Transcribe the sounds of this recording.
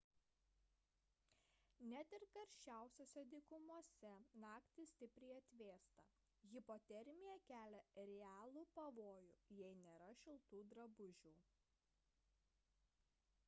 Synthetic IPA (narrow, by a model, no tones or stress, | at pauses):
nʲæt̪ɪɾkɐɾʲʃʲt͡ʃʲæˑʊsʲoːsʲɛd̪ʲikʊmuɔsʲɛnɑːkt̪ʲɪsʲt̪ʲɪpʲɾʲɛɪɐt̪ʲʋʲeːst̪ɐ | ɣʲɪpoːt̪ʲɛɾʲmʲɪjɛkʲæːlʲɛɾʲɛæːlˠuːpɐʋoːjʊjɛɪnʲeːɾɐʃʲɪlˠt̪uːd̪ɾɐbʊʒʲuː